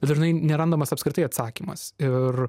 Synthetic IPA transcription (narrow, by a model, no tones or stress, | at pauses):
bʲɛt̪ʒʲɪnɐɪnʲɛɾɐnd̪oːmɐsɐpskɾʲɪt̪ɐɪɐt̪sɑːkʲimɐ̰sɪr